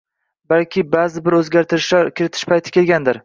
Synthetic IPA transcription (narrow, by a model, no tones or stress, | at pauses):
balkʲʰɪbazɪbɪɾɵzɡʲaɾt̪ʰɪɾɪʃlaɾkʲʰɪɾɪt̪ʰɪ̥ʃpʰajt̪ʰɪ̥kʲe̞lɡʲand̪ɪɾ